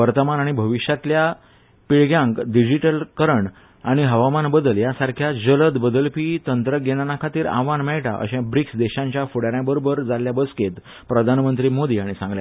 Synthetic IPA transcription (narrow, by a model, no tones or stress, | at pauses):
ʋəɾt̪əmanaɽ̃ibʱəʋiɕjat̪lja | piɭɡjãŋkɖid͡ʑiʈəlkəɾəɳ | aɽ̃iɦəʋamanbəd̪əljasaɾkʰjad͡ʑələd̪bəd̪əlpiːt̪ənt̪ɾəɡeɽ̃anakʰat̪iːɾa̰ʋanmɛɭʈa̰ʔə̰ɕɛ̃bɾiksd̪eɕãɲt͡ɕjafuɽaɾjãbəɾobəɾd͡zaljabəsket̪ | pɾəd̪ʱanmənt̪ɾiːmod̪iːaɽ̃isãŋɡlja